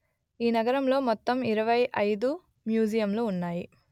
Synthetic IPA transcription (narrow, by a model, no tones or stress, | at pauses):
iːnɐɡɐɾɐmlo̞ːmɔt̪ːɐmiɾɐʋɐjʔɐjd̪u | mjuːd͡ʒijɐmloːunːaːji